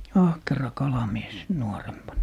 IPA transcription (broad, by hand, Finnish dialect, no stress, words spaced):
ɑhkerɑ kɑlɑmies nuorempɑnːɑ